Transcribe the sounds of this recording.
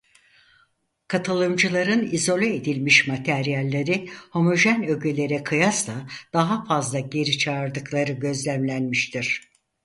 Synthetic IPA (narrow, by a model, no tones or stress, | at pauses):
kʰat̪ʰɯlˠɯmd͡ʒɯlˠaɾɯnizo̞lʲeed̪ilʲmiʃmat̪ʰæɾijalʲːeɾiho̞moʒænøɟylʲe̞ɾɛkʰɯjasd̪ad̪̥aɦafazlˠaɟe̞ɾit͡ʃʰaːɾd̪ɯklˠaɾɯɟø̞zlʲæmlʲænmiʃt̪ʰiɾ̥